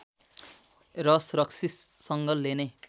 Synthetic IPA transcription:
rʌsrʌksissʌŋɡʌlːene

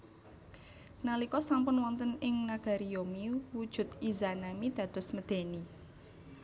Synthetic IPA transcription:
nalikɔsampʊnwɔnt̪ənɪŋnaɡ̥a̤ɾijomiwud̥ʒ̥ʊ̤t̪̚izanamid̪̥ä̤d̪̥ɔ̤sməd̪̥e̤ni

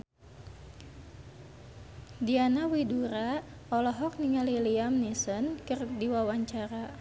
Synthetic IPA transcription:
dianawiduɾa | ɔlɔɦɔk̚niŋaliliamnisɔnkɨrdiwawaɲt͡ʃaɾa

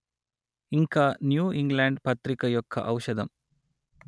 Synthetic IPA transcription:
iŋkanjuːiŋɡlaːɳɖpɐt̪ɾikɐjɔkʰːɐ̰ʔɐwʃɐd̪ɐm

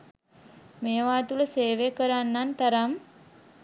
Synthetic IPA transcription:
mejəʋaːt̪uləseːʋekəɾanːant̪aɾam

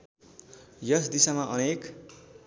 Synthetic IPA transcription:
jʌsd̪isamaʔʌnek

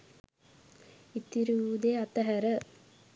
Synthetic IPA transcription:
it̪ːiɾuud̪eat̪əɦæɾə

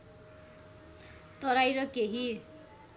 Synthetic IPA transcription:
t̪ʌɾajɾʌkeɦi

